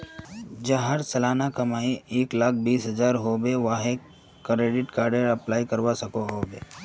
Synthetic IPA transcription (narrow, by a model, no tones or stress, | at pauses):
d͡ʒaɦəɾsɐlaːnakɐmaːieːklaːk̚ʰbiːsɦɐzaːɾɦoːbeʋaːɦe | kɾeːɖɪʈkaːɾɖəɾɐplaːikɐɾʋasɐkoɦoːbeː